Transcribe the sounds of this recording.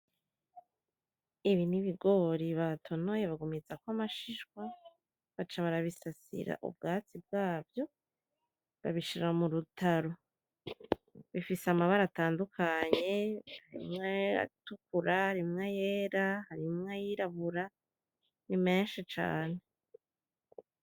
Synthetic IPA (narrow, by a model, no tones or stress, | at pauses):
iβiniβiɡo̞ɾiβatʰo̞no̞je̞βaɡumizakoamaʃiʃɡwa | βat͡ʃaβaɾaβisasḭɾa̰ʔṵb̚ɡaːt͡sib̚ɡaːvjo̞ | βa̰βiʃiɾamuɾutʰaɾo̞ | βifisamaβaɾataːndukʰaɲe̞haɾḭmŋea̰tukuɾahaɾimŋejeːɾahaɾimŋejiɾaβuɾa | nime̞ːnʃit͡ʃa̰ːne̞